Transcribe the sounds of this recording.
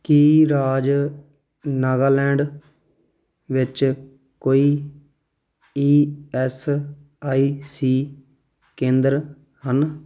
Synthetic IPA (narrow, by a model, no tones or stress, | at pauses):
kiːɾaːd͡ʒ | naːɡaːlɛ̃ːɳɖ | ʋɪt͡ʃ | koːiː | iːɛːs | aːiːsiː | kẽːnd̪əɾ | hən